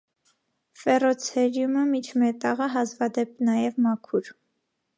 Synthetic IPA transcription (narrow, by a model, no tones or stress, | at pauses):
fɛrɔt͡sʰɛɾjuməmit͡ʃʰmɛt̪ɑʁəɦɑzvɑd̪ɛp̚nɑjɛvmɑkʰuɾ